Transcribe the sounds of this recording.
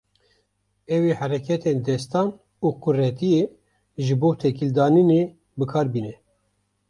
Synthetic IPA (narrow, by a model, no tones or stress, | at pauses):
ɛwihæɾɛkʰɛt̪end̪ɛst̪ɑːn | uːqʰʊrɛt̪ije | ʒɨboːt̪ʰɛkild̪ɑːnine | bɨkʰɑːɾbiːnɛ